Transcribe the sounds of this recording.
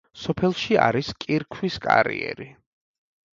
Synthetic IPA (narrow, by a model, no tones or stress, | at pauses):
sɔpʰɛlˠʃiaɾiskʼiɾkʰwiskʼaɾḭɛ̰ɾi